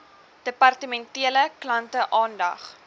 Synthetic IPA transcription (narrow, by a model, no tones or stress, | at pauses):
d̥əpɐrtəmɛntiələklɐntəʔɑːndɐ̰χ